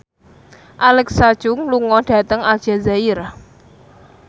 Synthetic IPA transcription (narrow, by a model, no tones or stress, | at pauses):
ʔalɛksad̥ʒ̥ʊŋluŋɔɖ̥a̤t̪əŋal̥ʒ̥a̤zaiɾa